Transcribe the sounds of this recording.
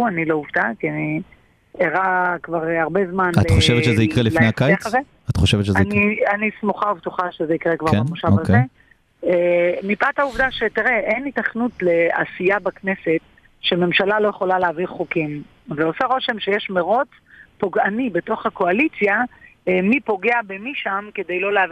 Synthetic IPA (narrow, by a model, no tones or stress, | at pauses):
uanilo̞uvdakiani | eʁakvaʁaʁbe̞zmanattχoʃevetʃezɛikʁeliflanejakajaχaze | at̪χoʃevet̪ʃezenianismuχauvtuχaʃezeikʁekvaʁemoʃavakee | emipat̪auvd̪aʃetiʁeʔenitaχnutle̞a̰sijabakne̞se̞t | ʃeme̞mʃalalo̞jeχo̞laleaviʁχokim | veo̞saʁo̞ʃe̞mʃejeʃmeʁo̞t͡s | poɡanibeto̞χako̞alit͡sjaemipo̞ɡeabemiʃamke̞dejlo̞leavi